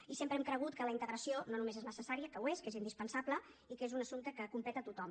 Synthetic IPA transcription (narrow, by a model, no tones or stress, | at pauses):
isempɾəɛmkɾəɣ̞ut̪̚kələint̪əɣɾəsiononumezeznəsəsaɾiəkəweskezind̪ispənsablə | ikezunəsumt̪əkəkumpɛt̪ət̪ut̪ɔm